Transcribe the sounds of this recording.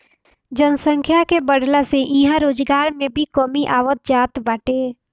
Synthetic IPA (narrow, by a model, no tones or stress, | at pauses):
d͡ʒənsə̃ŋkʰjakebəɽlaseʔiɦãɾoːd͡ʒɡaːɾmẽbʱikɔːmiʔaːʋət̪̚d͡ʒaːt̪baːʈeː